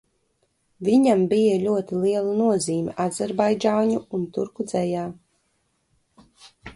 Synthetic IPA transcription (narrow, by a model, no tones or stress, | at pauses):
vʲiɲambijaʎʲuɔt̪ilˠiɛlˠanuɔziːmʲiʔazaɾbajd͡ʒawɲuunt̪uɾkud̪zɛjaː